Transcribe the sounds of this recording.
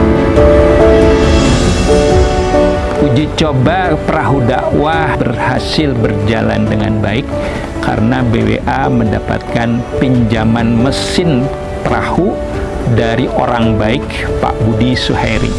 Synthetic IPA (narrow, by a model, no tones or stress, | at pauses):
ud͡ʒit͡ʃobapəɾaɦudaʔwabərhasɪlbərd͡ʒala̰ndəŋanbaɪkːʰ | a̰ɾənabewḛʔaməndapa̰t̪̚kanpiɲd͡ʒamanməsɪn | pəɾahu | daɾiʔoɾaŋbaɪk | pa̰ʔbudisuhajɾḭ